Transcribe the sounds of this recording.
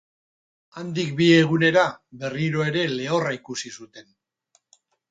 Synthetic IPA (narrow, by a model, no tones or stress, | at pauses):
and̪ikbie̞ɣ̞une̞ɾaβe̞riɾo̞e̞ɾe̞le̞oraikusisut̪e̞n